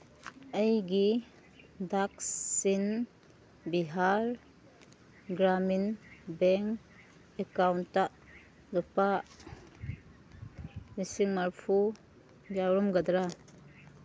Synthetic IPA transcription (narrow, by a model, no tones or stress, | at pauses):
əjɡi | dak̚ssin | biɦaɾ | ɡɾaminbɛŋ | ekawna | lɔpa | nisiŋmaɾpʰu | jawɾɔmɡadɾa